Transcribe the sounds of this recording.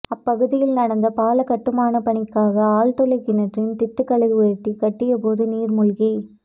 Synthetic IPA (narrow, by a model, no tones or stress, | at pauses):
ɐpːɐɣɯðɪjɪlnɐɽɐnd̪ɐpaːlɐkɐʈːɯmaːnɐpɐɳɪkːaːɣɐaːlt̪ɔlɐɪkːɪnɐʈrɪnt̪ɪʈ̪ːɯkːɐlɐɣɯʋeɾt̪ːikɐʈːɪjɐpoːðɯniːɾmʊɭɣi